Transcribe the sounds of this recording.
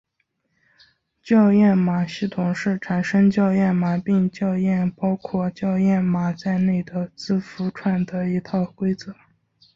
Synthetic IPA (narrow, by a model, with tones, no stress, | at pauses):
t͡ɕjɑ˥˧ʊjɛ˥˩nma˨˩ɕi˥˩t̪ʰʊ˨˩ŋʂɻ̩˥˩ʈ͡ʂʰa˨˩nʂɤ˥ŋt͡ɕjɑ˥˧ʊjɛ˥˩nma˨˩pi˥˧ŋt͡ɕjɑ˥˧ʊjɛ˥˩npɑ˥ʊkʰwɔ˥˩t͡ɕjɑ˥˧ʊjɛ˥˩nma˨˩t͡sa˥˧ɪne˥˩ɪd̪ə˩t͡sɹ̩˥fu˧˥ʈ͡ʂʰwa˥˩nd̪ə˩i˧˥t̪ʰɑ˥˩ʊkwe˥ɪt͡sɤ˧˥˦